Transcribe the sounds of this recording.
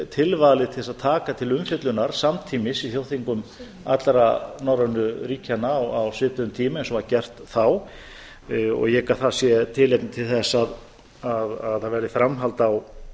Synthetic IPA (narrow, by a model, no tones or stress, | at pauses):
t̪ʰɪlvalɪt̪ʰɪ̥θɛsaðt̪ʰaːkat̪ʰɪlʏmfɪt̪lʏnaɾ̥samt̪ʰiːmɪsiθjowθiŋkʏm | at̪lɾanawɾanːʏɾiːcʰanawawsvɪːt̪ʏʏmt̪ʰiːmɪɛnsɔvaɾcɛr̥t̪θaw | ɔ̰ɣjɛkaθasjɛt̪ʰɪleknɪt̪ʰɪlθɛsːað | aðaðhavɛɾðɪfɾamɦalt̪aw